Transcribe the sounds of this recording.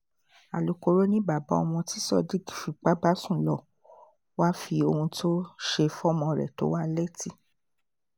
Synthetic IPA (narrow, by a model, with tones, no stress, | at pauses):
a̰˨lu˨ko˧ɾo˦nĩ˦ba˨ba˨˦ɔ̰˧mɔ̃˧ti˦sɔ˦˨di˦ki̥˨fi˨˧k͡pa˦ba˦sũ˦˨lɔ˨ | wa˦fi˧o˧hũ˧tʰo˦ʃe˧fɔ˦mɔ̃˧ɾɛ̰˨to˨˦wa˦le˦ti˦